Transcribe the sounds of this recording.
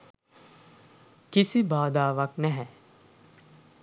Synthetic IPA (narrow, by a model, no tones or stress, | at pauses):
kɪsibaːd̪aːʋəknɛɦɛ